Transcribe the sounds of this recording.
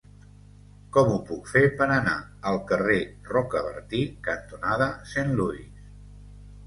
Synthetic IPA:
kɔmupukfepəɾənaəlˠkərerɔkəβə̰ɾt̪ikənt̪unaðəsenluis

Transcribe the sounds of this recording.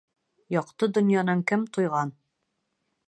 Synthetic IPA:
jɒqt̪ɤd̪ŏnjɑnɤŋkɘmt̪ujʁɑn

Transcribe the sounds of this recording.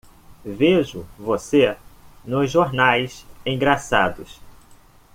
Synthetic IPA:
veʒʊvosenʊzʒoɾnajsẽɡɾasad̪ʊs

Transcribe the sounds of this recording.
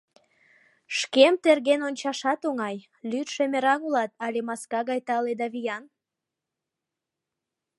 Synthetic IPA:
ʃkemt̪erɣenonʲt͡ɕɑʃɑt̪oŋɑj | lyt̪ʃemeɾɑnulɑt̪ɑlemɑskɑɣɑjt̪ɑled̪ɑβijɑn

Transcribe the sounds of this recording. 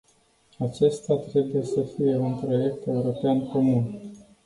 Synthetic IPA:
at͡ʃe̞st̪at̪ɾe̞buje̞səfije̞unpɾo̞je̞k̚t̪e̞uɾo̞peanko̞mun

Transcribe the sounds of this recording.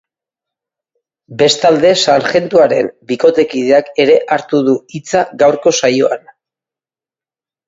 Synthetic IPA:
be̞st̪ald̪e̞saŋʝe̞nt̪uaɾe̞̰mbiko̞t̪e̞kið̞eake̞ɾe̞ʔaɾt̪uðuit͡saɣawɾko̞sajo̞a̰n

